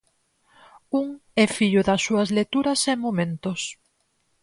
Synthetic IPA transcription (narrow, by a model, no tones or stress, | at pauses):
uŋɛfiʎʊðɐsːuɐzlet̪uɾɐseŋmomẽnt̪ʊs